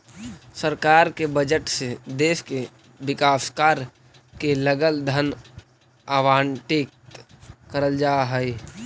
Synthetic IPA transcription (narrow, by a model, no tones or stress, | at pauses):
səɾkaːɾkebəd͡ʒəʈsed̪eːʃke | bɪkaːskaːɾ | keləɡəld̪ʱən | aʋaːɳʈeːk̪̚ | kəɾəld͡ʒaːɦɛi